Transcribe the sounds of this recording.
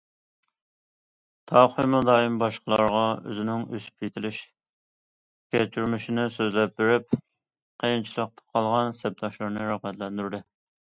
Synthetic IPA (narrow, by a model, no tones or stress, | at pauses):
t̪ʰɑqʰojmud̪ɑːimbɑʃqəlˠɑɾʁɑø̰zɪnɪŋø̰sy̥p̚jet̪ʰɪlɪʃ | kʲɛt͡ʃʰyɾmɪʃinɪsøzlɛp̚beɾyp̚ | qʰəjnt͡ʃʰilˠəq̚t̪ʰɑ̥qʰɑlˠʁɑnsɛp̚t̪ʰɑʃlˠɨɾnɨɾæʁmɛt̪lɛnd̪yɾd̪ɪ